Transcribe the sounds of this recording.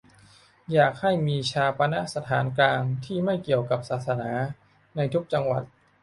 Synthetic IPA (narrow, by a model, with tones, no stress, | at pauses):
jaː˨˩k̚ha˥˩jmiː˧t͡ɕʰaː˧pa˧na˦˥ʔsa˧t̪ʰaː˩˦nklaː˧ŋt̪ʰiː˥˩ma˥˩jki˨˩əwka˨˩p̚saː˨˩t̪̚sa˧naː˩˦ | na˧jt̪ʰu˦˥k̚t͡ɕa˧ŋwa˨˩t̪̚